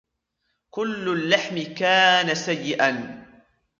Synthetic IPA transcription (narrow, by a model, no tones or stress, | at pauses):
kʊlːʊlːaħmɪkaːnasajːɪʔan